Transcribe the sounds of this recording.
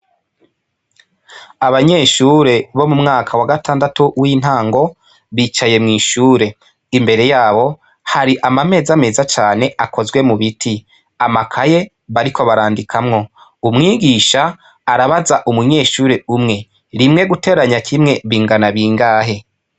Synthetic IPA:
aβaɲe̞ːʃuɾe̞βo̞mumŋaːkʰawaɡatʰaːndatuwiːn̥haːŋɡo̞ | βiːt͡ʃaje̞mŋiːʃuːɾe̞ | imbe̞ɾe̞jaːβo̞ | haɾiʔamame̞ːzame̞ːzat͡ʃaːne̞ʔako̞zɡwe̞muβitʰi | amakʰaje̞ | βaɾikʰo̞βaɾaːndikʰamŋo̞ | umŋiːɡiʃaː | ɾaβazaʔumuɲe̞ːʃuːɾe̞umŋe̞ | ɾimŋe̞ɡute̞ːɾaɲakʰimŋe̞βiːŋɡanaβiːŋɡaːɦe̞

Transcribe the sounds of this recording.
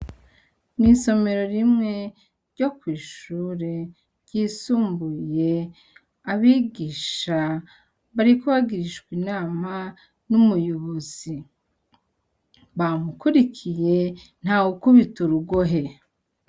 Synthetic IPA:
niso̞me̞ɾo̞ɾimŋe̞ | ɾɟo̞kwiːʃuːɾe̞ | ɾɟiːsuːmbuje̞ | aβiɡiːʃa | βaɾikoβaɡiɾiʃkwiːnaːma | numujuβuzi | βamukuɾikʰije̞n̥haːɡukuβituɾuɡoɦe̞

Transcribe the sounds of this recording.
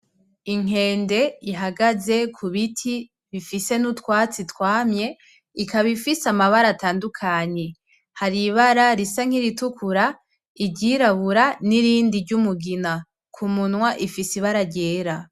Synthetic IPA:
iŋ̥e̞ːnde̞iɦaɡaze̞kʰuβitʰi | βifise̞nutkwaːt͡sitkwaːmɲe̞ | ikaβifisamaβaɾataːndukʰaɲe̞ | haɾiβaɾaɾisaŋ̥iɾitukuɾa | iɟiɾaβuɾaniɾiːndiɾɟumuɡina | kʰumunwaʔifisiβaɾaɟe̞ːɾa

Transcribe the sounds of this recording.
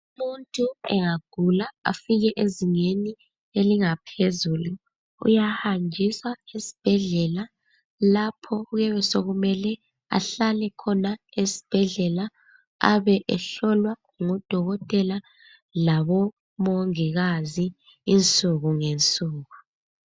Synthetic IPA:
umuntʼuɛŋaɡ̥ʱulaa̰fiɣɛʔeziŋeni | eliŋapʰezuːlu | ṵjahand͡ʒʱisaesi̥b̥ʱɛɮɛla | lapʰɔuɣɛβɛsoɣumɛlɛ | a̰ɬalɛkʰɔnaesi̥b̥ʱɛɮɛla | aβɛʔɛɬɔlwa | ŋɔd̥ʱɔɣɔtʼɛla | laβɔ | moŋiɣaziː | nt͡sʼuɣuŋent͡sʼuːɣu

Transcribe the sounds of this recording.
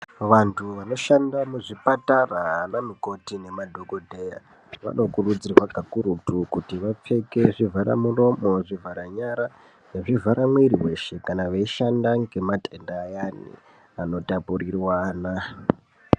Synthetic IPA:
ʋantʰuʋano̞ʃandamuʐipataraanamiko̞tine̞madʱo̞ɡo̞dʱe̞ja̰ | ʋa̰no̞kurud͡zirwaɡʱakuɾutukutiʋap͡fe̞ke̞ʐivʱaɾa̰muro̞mo̞ʐivʱaɾaɲaɾa | jeʐivʱaɾamweɾiwe̞ʃe̞kanaʋeiʃandaŋɡe̞matʰe̞ndaːjanḭ | ano̞tapurirwaːna

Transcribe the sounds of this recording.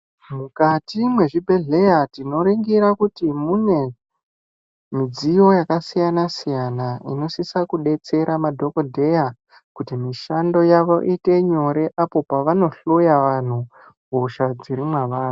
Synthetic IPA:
mukatimwe̞ʐibʱe̞ɮe̞jatino̞ɾiŋɡiɾakutimune̞ | mid͡zijo̞jakasijanasijanaḭno̞sisakuɗe̞t͡se̞ɾamadʱo̞ko̞dʱe̞ja | kutimiʃando̞jaʋo̞ʔite̞ɲo̞ɾe̞ʔapo̞paʋano̞ɬojaʋan̤u | ɡʱoʃad͡ziɾimwaʋaːra

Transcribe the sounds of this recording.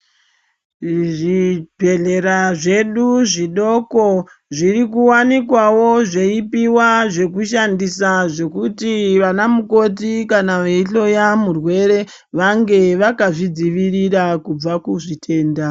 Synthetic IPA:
ʐipe̞ɮe̞ɾaʐe̞ɗuʐiɗo̞ko̞ | ʐirik̬uwanikwawo̞ʐeipiwaʐe̞kuʃandisaʐe̞kutiʋanamuko̞t̬ikanaʋeiɬo̞jamurwe̞ɾe̞ | ʋaŋɡe̞ʋakaʐid͡ziʋirirakub͡vakuʐitʰe̞ːnda

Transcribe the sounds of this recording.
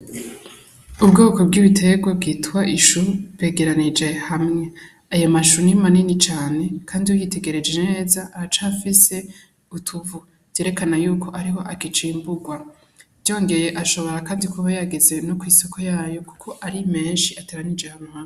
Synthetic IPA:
ubɡo̞ːko̞b̚ɡiːβitʰe̞ɡwab̚ɡiːtwaʔiʃuɾeːɡe̞ɾanid͡ʒe̞hamŋe̞ | ajomaʃunimaninit͡ʃaːne̞kʰaːndiwujite̞ɡe̞ɾe̞d͡ʒe̞ne̞ːzaʔːat͡ʃaːfise̞ | utʰuvu̥ | j̥eːɾe̞kanajuːkʰo̞ʔaɾiɦo̞ʔaɡit͡ʃimbuɡwa | vjo̞ːŋɡe̞je̞ʔaʃo̞βo̞ɾakaːndikuβajaɡe̞ze̞nokwiːsokojaːjo̞ku̥kʰo̞ʔaɾime̞ːnʃiateːɾanid͡ʒehamuha

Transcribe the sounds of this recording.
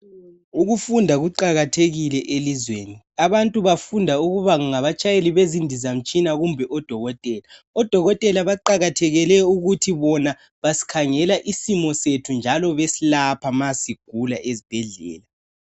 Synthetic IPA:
uɣufundʱaɣuǃaɣatʰeɣilɛʔelizweːni | aβantʼuβafundʱauɣuβaɣuŋaβat͡ʃʼajeliβezindʱizam̩t͡ʃʼinaɣumbʱɛʔɔd̥ʱɔɣɔtʼɛːlaɔd̥ʱɔɣɔtʼɛlaβaǃaɣatʰɛɣɛlɛuɣutʰiβɔna | βasi̥kʰaŋɛlaʔisimɔsetʰund͡ʒʱalɔβesilapʰamasiɡ̥ʱulaʔezib̥ʱɛɮɛ̰ːla

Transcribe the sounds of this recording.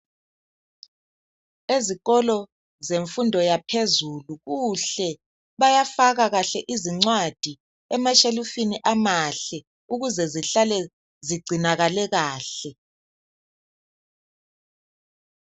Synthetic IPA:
eziɣɔlɔ | zeɱfundʱɔjapʰezuluɣuɬɛ | βajafaɣaɣaɬɛʔiziŋ͡ǀwad̥ʱi | ɛmaʃelufiniʔamaɬɛ | uɣuzɛziɬalɛ | ziɡ͡ǀʱinaɣalɛɣaːɬɛ

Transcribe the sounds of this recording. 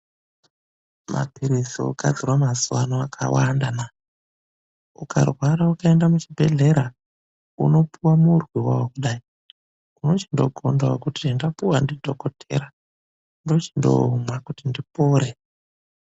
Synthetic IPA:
mʔa̰piɾizḭṵka̰d͡zirwamazuwanoakʰa̰wandana | ukʰa̰rwaɾaukaendamut͡ʃibʱe̞ɮe̞ɾa | ṵno̞pʰuwamurwiwawokuɗai | uno̞t͡ʃindo̞̰ɡʱo̰ndawokutindapuwandidʱo̞kotʰe̞̰ɾa | ndo̞t͡ʃindo̰mwakutindipoːɾe

